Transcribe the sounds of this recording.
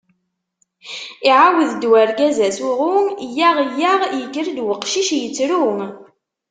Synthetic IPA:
iʕawəðd̪wæɾɡæzæsʊʁʊmjaʁjaʁjəkːəɾd̪wəqʃiʃjət͡sːɾum

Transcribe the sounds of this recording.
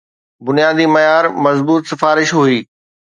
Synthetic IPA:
bʊnijaːd̪imɐjaːɾmɐzbuːt̪sɪfaːɾɪʃɦuiː

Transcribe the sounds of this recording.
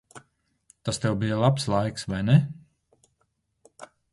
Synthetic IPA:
t̪ast̪ɛwbijalˠapslˠajksvajnɛ

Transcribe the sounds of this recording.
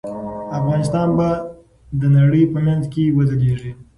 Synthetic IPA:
afɣɑnɪst̪ɑnba | d̪ənaɽəjpəmanzkewəd̪əleʐi

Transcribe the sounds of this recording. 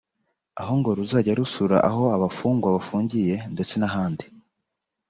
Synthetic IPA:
aɦo̞ŋɡo̞ɾuzaɟaɾusuɾa̰ʔaɦo̞aβafuːŋɡwaβafuːɲɟije̞nde̞t͡se̞naɦaːndi̥

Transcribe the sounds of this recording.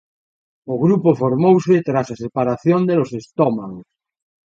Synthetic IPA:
oɣɾupofoɾmowsɪt̪ɾasasepaɾaθjond̪elosest̪ɔmaɣos

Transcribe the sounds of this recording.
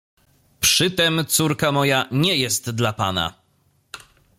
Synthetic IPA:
pʂɘt̪ɛmt̪suɾkamɔjaɲɛjɛst̪d̪lapana̰

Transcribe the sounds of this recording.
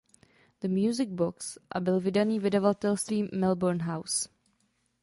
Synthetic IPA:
d̪̥əmjuːzɪɡ̚bʊksʔa̰bɪlvɪdaniːvɪdɛvat̪ɛlst̪viːmɪlbɔɾnɦaws

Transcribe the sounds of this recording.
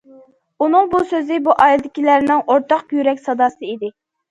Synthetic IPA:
unɨŋbusøzɪbuʔɑːild̪ɪkʲilæɾnɪŋoɾt̪ʰɑqbyjyɾɛkʲsɑd̪ɑːsɨid̪ɪ

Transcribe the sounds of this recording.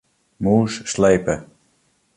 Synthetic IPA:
muːsːlejpə

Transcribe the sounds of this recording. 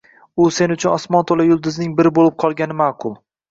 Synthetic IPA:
ʊse̞nʊt͡ʃʰʊnɒsmɒnt̪ʰolajʊlˠd̪ɪznɪŋbɪɾɪbolˠɪp̚qʰɒlˠɡʲanɪmaːqʰʊlˠ

